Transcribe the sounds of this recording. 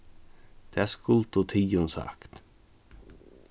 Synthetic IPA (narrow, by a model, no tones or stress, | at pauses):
d̪̥eæskʊlt̪ʊt̪ʰiːʊnsɑ̰kt̪